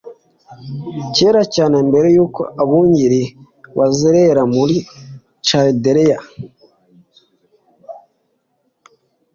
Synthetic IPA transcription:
ceːɾacaːnembe̞ɾejuːko̞̰ʔaβuːɲɟiɾi | βaziɾeɾamuɾi | t͡ʃadeɾeja

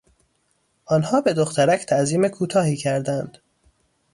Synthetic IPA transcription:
ʔɒːnhɒːbe̞d̪oxt̪ʰæɾæcʰt̪ʰæʔziːmekʰuːt̪ʰɒːhiːcʰæɾd̪ænd̪̥

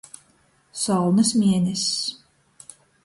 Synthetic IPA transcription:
sɔlˠnɐs̬mʲiɛnʲɛs

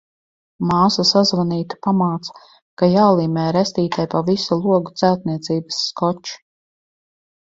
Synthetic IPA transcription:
maːsasazvaniːt̪u̥pamaːt̪sḁ | kajaːlˠiːmʲɛːɾɛst̪iːt̪ajpavisulˠuɔɡut̪sæwt̪̚niɛt̪siːbasːkɔt͡ʃu̥

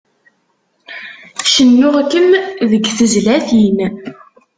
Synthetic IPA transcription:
ʃənːʊʁkːəmðəɡθəzlæθin

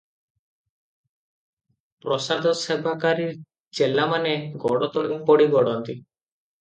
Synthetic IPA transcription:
pɾɔsad̪ʱɔsebʱakaɾiɾ | d͡ʒelamaneɡɔɽɔt̪ɔɽumpɔɽiɡɔɽɔnt̪i

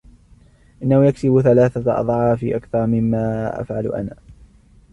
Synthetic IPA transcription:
ʔɪnːahʊjaksɪbθalaːθaʔɑ̰ðˤʕɑːfḭːʔakθɑɾˤmɪmːaːʔa̰fʕalʔa̰naː

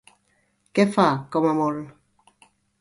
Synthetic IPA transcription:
kefakɔmamɔl

